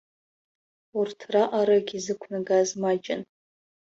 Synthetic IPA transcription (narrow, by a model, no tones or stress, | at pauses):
urtʰraʔaɾaɡʲizɨkʷʰnaɡaːzmad͡ʒʼɪn